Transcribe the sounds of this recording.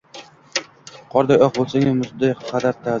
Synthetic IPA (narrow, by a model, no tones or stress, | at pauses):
qʰɒɾd̪ajɒqbolˠsaŋɪmʊzd̪ajqʰɑd̪aɾt̪ʰːa